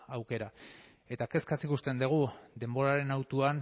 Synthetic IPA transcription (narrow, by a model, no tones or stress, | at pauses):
awke̞ɾa | e̞t̪ake̞skasikust̪e̞nd̪eɣ̞ud̪e̞mbo̞ɾaɾe̞nawt̪uan